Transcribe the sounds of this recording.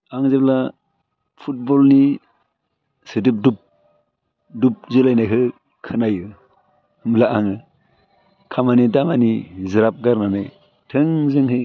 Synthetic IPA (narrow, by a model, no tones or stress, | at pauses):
aŋzep̚la | pʰut̚bɔlni | sɯdɯp̚dup̚ | dup̚zɯlajnajɦʰɯ | kʰɯnajɯ | mlaʔaŋɯ | kʰamanidamanizɯɾap̚ɡaɾnanaj | tʰɯŋzɯŋɦɯ